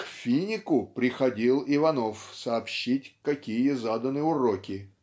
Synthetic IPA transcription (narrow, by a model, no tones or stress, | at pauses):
kfʲinʲɪkʊpɾʲɪxɐdʲilˠɪvɐnofsɐːpɕːitʲkɐkʲijəzad̪ənɨjʊrokʲɪ